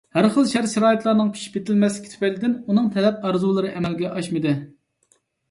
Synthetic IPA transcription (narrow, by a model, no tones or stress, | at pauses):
hæɾχəlˠʃæɾʃiɾɑːit̪lˠɑɾnɨŋpʰi̥ʃi̥pjet̪ʰɪlmɛslɪkʲit̪ʰy̥pɛlɪd̪ɪnunɨŋt̪ʰɛlɛp̚ɑɾzulˠɨɾɨʔɛmɛlɡʲɛʔɑʃmɨd̪ɨ